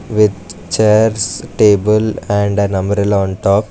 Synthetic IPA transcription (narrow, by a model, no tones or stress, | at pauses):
ʋɪd̪̚t͡ʃeːɾsʈeːbəlɛ̃ɳɖnɐmbəɾɪlɔ̃ːnʈɔːp̚